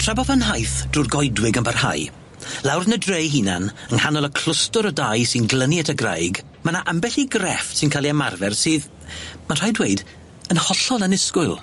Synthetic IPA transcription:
tʰr̥ɛbɔvənɦajθd̥ruːrɡɔjdwɪɡənbarha̰j | lˠawrnədrejɦina̰nənhanɔlˠəkʰl̥ʊstʊɾədajsɪnɡlˠəniɛtʰəɡra̰jɡ | manaʔəmbɛɬiɡrɛfsɪnkʰalˠiamarvɛrsɨːð | manr̥ajdwejd | ənhɔɬɔlˠənɪskʊɨlˠ

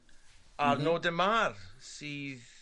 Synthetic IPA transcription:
arnoːdəmarsiːð

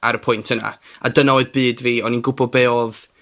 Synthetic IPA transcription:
aɾəpʰʊjntʰəna̰a̰dənaoɨðbɨːdviːɔninɡʊbɔbeːɔð

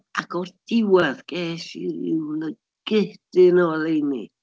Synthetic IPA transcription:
akʰɔrd̥ɪwaðɡ̥eːʃḭɾɪ̰wnə | ɡ̥ɪhd̥ɪnɔlejnḭ

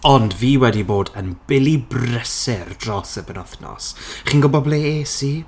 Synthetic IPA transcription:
ɔndviːwɛdiboːdənbɪlˠibrɛsɪrdrɔsəbənɔθnɔ̰sχiːnɡʊbɔbleːesiː

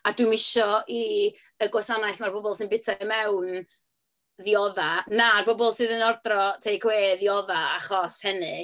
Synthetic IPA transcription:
adwɨmɪʃɔi | əɡɔsanajθmarbɔbɔlˠsɨnbɪtʰamɛwn | ðiɔðanarbɔbɔlˠsɨːðənɔrdrɔtʰejkʰweːðiɔðaaχɔshɛnɨ

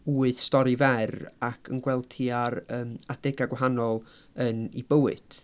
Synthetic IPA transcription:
uːɨð̥stɔɾivɛrakʰənɡwɛlˠtʰiaɾəːmad̥ɛɡaɡwaɦanɔlˠ | ənḭbəwɨ̰d̥

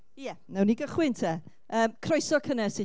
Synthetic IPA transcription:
jɛnɛwniɡəχwɪntʰɛ | əːmkʰrɔjsɔkʰənɛse

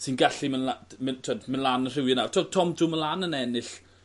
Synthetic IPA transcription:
sinɡaɬimənlamətʰwɛdmənlˠanənr̥ɪwənav̥tʰɔɡ̚tʰɔmdumənlanənɛnɨɬ

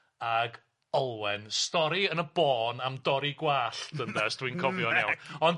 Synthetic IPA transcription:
aɡ | ɔlˠwɛnstɔɾiənəb̥ɔːnamdɔɾiɡwaːɬd̥əndɛsd̥winkʰɔvjɔnɛwɔn

